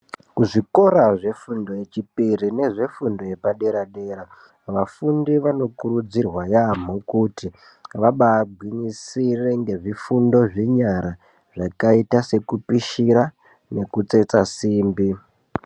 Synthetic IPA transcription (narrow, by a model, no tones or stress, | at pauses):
kuʐiko̞ɾaʐe̞fundo̞je̞t͡ʃipirine̞ʐe̞fundo̞je̞paɗe̞ɾaɗe̞ːɾa | ʋafundiʋano̞kuɾud͡zirwajam̤okuti | ʋaɓaːbʱwiɲisire̞ŋɡe̞ʐifundo̞ʐiɲaɾa | ʐ̥akaitase̞kupiʃiɾa | ne̞kut͡se̞t͡sasiːmbi